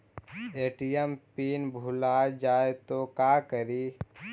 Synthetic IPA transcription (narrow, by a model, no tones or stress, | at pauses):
eːʈijempiːnbʱulaːd͡ʒaːet̪okaːkəɾiː